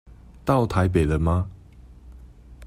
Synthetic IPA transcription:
t̪ɑ˥˨ʊt̪ʰa˧˦ɪp̬e˨˩ɪd̪ə˦ma˧

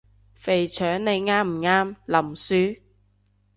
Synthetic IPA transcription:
fe˨˩jt͡ʃʰœː˨˥ŋne˨˧jŋaː˥m̩˨˩ŋaː˧˥mlɐ˨˩msyː˨˥

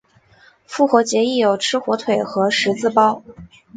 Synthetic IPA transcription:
fu˥˩xwɔ˧˥t͡ɕjɛ˧˥i˥˩jo˨˩ʊʈ͡ʂʰɻ̩˥xwɔ˧˥t̪ʰwe˨˩ɪxɤ˧˥ʂɻ̩˧˥t͡sɹ̩˥˩pɑ˥ʊ

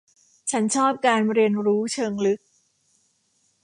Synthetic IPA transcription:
t͡ɕʰa˦˥nt͡ɕʰɔː˥˩p̚kaː˧nɾi˧ənɾuː˦˥t͡ɕʰɤː˧ŋlɯ˦˥k̚

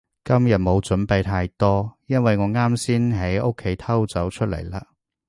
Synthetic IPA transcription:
kɐ˥mjɐ˨t̚mo˨˧wt͡sɵ˨˥npe˨˧jt̪ʰaː˧jt̪ɔː˥jɐ˥nwɐ˨jŋɔː˨˧ŋaː˥msiː˥nɦɐ˨˥jo˥kʰːe˨˥jt̪ʰɐ˥wt͡sɐ˨˥wt͡ʃʰɵ˥t̚lɐ̰˨˩jlaː˧

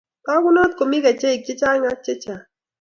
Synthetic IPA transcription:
ka˦kʊ˦nɔ˦t̪̚ko˨mi˦ka˨t͡ʃe˦i˨k̚t͡ʃe˦t͡ʃa˦ŋa˦t͡ʃe˦t͡ʃa˨

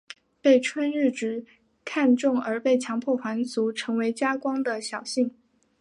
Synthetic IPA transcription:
pe˥˩ɪʈ͡ʂʰwa˥nɻɻ̩˥˩ʈ͡ʂɻ̩˧˥ | kʰa˥˧nʈ͡ʂʊ˥˩ŋə˞˧˥pe˥˩ɪt͡ɕʰjɑ˧˥ŋpʰwɔ˥˩xwa˧˥nt͡su˧˥ʈ͡ʂʰɤ˧˥ŋwe˧˥ɪt͡ɕja˥kwɑ˥ŋd̪ə˨ɕjɑ˨˩ʊɕi˥˩ŋ

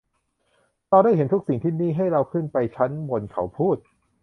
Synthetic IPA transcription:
t̪ɔː˧da˥˩jɦe˦nt̪ʰu˦˥k̚si˨˩ŋt̪ʰiː˥˩niː˥˩ɦa˥˩jɾa˧wkʰɯ˥˩npa˧jt͡ɕʰa˦˥nbo˧nkʰa̰˩˦wpʰuː˥˩t̪̚

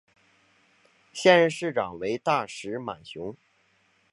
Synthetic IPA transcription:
ɕjɛ˥˧nɻə˥˧ʂɻ̩˥˩ʈ͡ʂɑ˨˩ŋwe˧˥ɪt̪a˥˩ʂɻ̩˧˥ma̰˨˩nɕjʊ˧˥ŋ

